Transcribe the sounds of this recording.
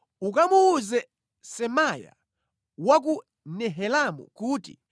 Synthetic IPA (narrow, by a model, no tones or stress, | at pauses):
ukamuuzɛ | sɛmaja̰ | wak̬u | nɛɦɛlamṵkuːtḭ